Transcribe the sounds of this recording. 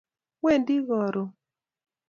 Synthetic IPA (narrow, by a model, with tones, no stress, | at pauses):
we˦˨ndi˦ɣɔ˨ɾo˨